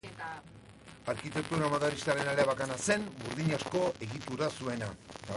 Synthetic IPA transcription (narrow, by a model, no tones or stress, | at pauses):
aɾkit̪e̞k̚t̪uɾamaðaɾist̪aɾenaleaβakanase̞nbuɾðiɲasko̞ʔe̞ɣit̪uɾasue̞nat̪a